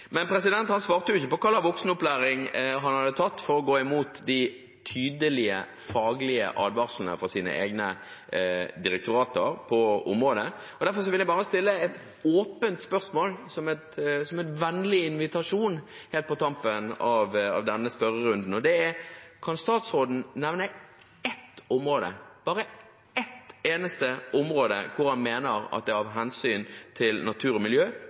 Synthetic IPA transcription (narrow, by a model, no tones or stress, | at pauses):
mɛnpʰɾɛsɪd̪ɛnt̪hɑnsʋɑːʁt̪əjʊɪçːəpɔkʰɑlːɑʋɔksnɔplæːɾɪŋɦɑnhɑd̪ət̪ʰɑt̪ːfɔɾɔɡoːɪmuːt̪d̪ɪ | t̪ʰyːd̪əlɪə̰ | fɑːɡlɪə̰ʔɑːd̪ʋɑʁʂlənə̰fɾɑsiːnə̰ʔḛːɡnə | d̪ɪɾɛk̚t̪ʊɾɑːt̪əɾpʰɔʊ̰mʁoːd̪ə | ɔd̪æɾfɔs̬ɔʋɪljæɪbɑːɾəst̪ɪlːəɛt̪ | oːpənt̪spœʁsmoːlsɔmɛt̪sɔmɛnʋɛnlɪɪnʋɪt̪ɑʂuːn | heːlt̪̚pʰɔt̪ʰɑmpənɑʋɑ̰ʋd̪ɛnːəspœɾəɾʉnd̪n̩ɔd̪ɛæɾkʰɑnst̪ɑːt̪sʁoːd̪n̩næʋnə | ɛt̪ɔmɾoːd̪ə̰b̥ɑːɾə | ɛt̪ːeːnəst̪əɔmɾoːd̪ə̰kʰʊɾhɑnmeːnəɾɑ̰t̪̚d̪ɛɑʋɦɛnsyːnt̪ʰɪlnɑt̪ʰʉːɾɔmɪljøː